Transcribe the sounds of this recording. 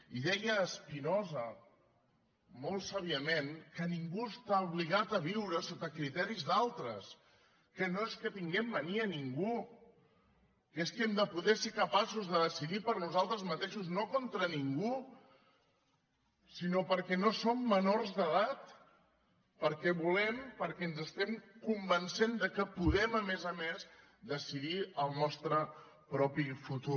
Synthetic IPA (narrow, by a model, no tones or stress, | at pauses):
iðɛjəːspinozə | molˠsaβiəmenkəniŋɡuəst̪auβ̞liɣat̪əβ̞iwɾəsot̪əkɾit̪ɛɾizðalˠt̪ɾəs | kənoeskət̪iŋɡɛmːəniəniŋɡu | keskɛmd̪əpuðɛsekəpasuzðəðəsiðipəɾnuzalˠt̪ɾəzmət̪eʃuznokont̪ɾəniŋɡu | sinopəɾkɛnosomːənoɾzðəðat̪ | pəɾkɛβulɛmpəɾkɛənzəst̪ɛmkumbənsend̪əkəpuðɛməmezəmez | d̪əsiðiəlˠnɔst̪ɾə | pɾɔpifut̪u